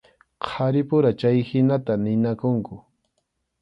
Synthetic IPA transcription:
qʰaɾɪpʊɾat͡ʃajhɪnat̪anɪnakʊŋkʊ

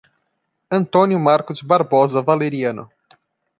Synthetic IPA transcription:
ɐ̃nt̪õnjʊmaɾkʊzbaɾbɔzɐvaleɾiɐ̃nʊ̰

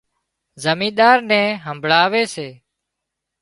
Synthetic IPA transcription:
zəmĩːɗ̪aːɾnɛ̃ːɦəmbʱɭaːʋeːseː

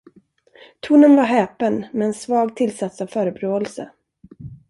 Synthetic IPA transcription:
t̪ʰuːnənvaɾɦɛːpənmɛːnsvɑːɡt̪ʰɪlsat̪sɔvfœːɾəbɾoːɛlsə̰

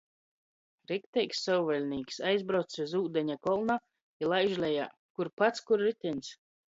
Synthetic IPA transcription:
ɾɛkt̪ɛjksːɔwvɛlʲniːksajzbɾawt̪sɛzuːd̪ɛɲʲakɔlˠna | ilˠajʒlʲɛja̰ː | kuɾpat̪skuɾɾit̪ʲinʲs

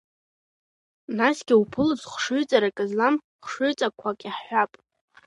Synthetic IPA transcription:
nasɡʲɪupʰɨlɨzχʷʂʊɥt͡sʼaɾakʼɨzlam | χʷʂʊɥt͡sʼakʷʰakʼiħħʷapʼ

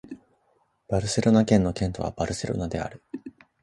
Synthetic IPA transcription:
b̥aɾɯ̟se̞ɾo̞nakẽ̞nːo̞kẽnt̪o̞βa̰b̥aɾɯ̟se̞̰ɾo̞̰nad̪e̞a̰ɾɯ̟

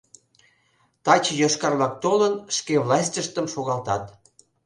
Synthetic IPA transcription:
t̪ɑt͡ɕjoʃkɑrlɑk̚t̪olənʃkevlɑsʲtʲəʃt̪əmʃoɣɑlt̪ɑt̪

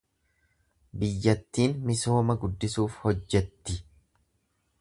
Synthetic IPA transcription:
bɪjːɐt̪ːiːnmɪso̞ːmɐɡʊd̪ːɪsuːfhɔd͡ʒːɛt̪ːɪ

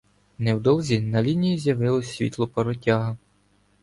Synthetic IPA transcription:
nɛwd̪ɔlˠzʲinɐlʲinʲijizʲjɐʋɪlˠɔsʲʋʲḭt̪lˠɔpɐɾɔtʲaɦɐ

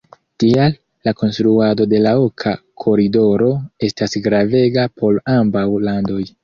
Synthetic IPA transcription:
tialː | ako̞nstɾuado̞de̞lao̞kʰakʰo̞ɾido̞ɾo̞e̞stasɡɾave̞ɡapʰo̞lambawlando̞j

